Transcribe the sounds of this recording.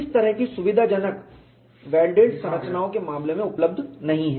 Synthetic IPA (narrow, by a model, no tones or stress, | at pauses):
ɪst̪ɐɾəɦkisʊʋɪd̪ʱad͡ʒɐnək | ʋɛːlɖeːɖsɐ̃mɾət͡ʃnaːõkemaːmlemẽʊpləbd̪ʱnɐɦĩɦɛː